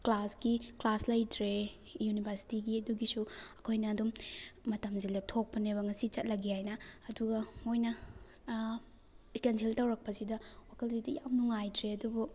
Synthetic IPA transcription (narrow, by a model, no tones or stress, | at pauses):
klasɡiklaslɐjdɾe | junibʱɐɾsi̥tiɡiɐduɡisuɐkʰojnɐːdumːɐtɐmzilep̚tʰok̚pɐneβɐŋɐsit͡ʃɐt̚lɐɡiajnɐːduɡɐmojnɐ | ikenseltɐwɾɐk̚pɐsidɐwakʰɐlzidɐjamnuŋajdɾeɐdubu